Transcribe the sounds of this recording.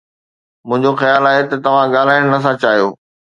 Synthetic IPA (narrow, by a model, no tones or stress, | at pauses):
mʊ̃ɦɪ̃ɲd͡ʑoxɐjaːlaːɦet̪ɐt̪ɐʋ̤ãɠaːl̤aːɪɽ̃nɐs̬ãt͡ɕaːɦijoː